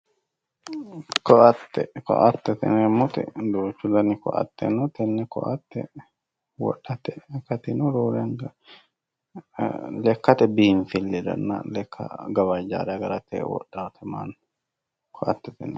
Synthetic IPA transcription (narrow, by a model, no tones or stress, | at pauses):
kɔʔɐt̪ːɛkɔ̰ʔɐt̪ːɛt̪ɛ̰nɛmːɔt̪ɛ̰d̪oːt͡ʃːʊlɐnɪkɔ̰ʔɐ̰t̪ːɛ̰nɔt̪ɛnːɛkɔ̰ʔɐt̪ːɛ̰ | wɔ̰ɗːɐt̪ɛkːɐt̪ɪnɔɾoːɾɛŋɡɐ | lɛkːɐt̪ɛbihnfɪlːɛd̪ɐ̰nːa̰lɛkʰːɐ̰ɡɐwɐd͡ʒa̰ːɾɐɡɐɾɐt̪ɛ̰wɔ̰ɗːat̪ʰɛma̰n | kʰɔʔɐt̪ːɛt̪ɛnɛ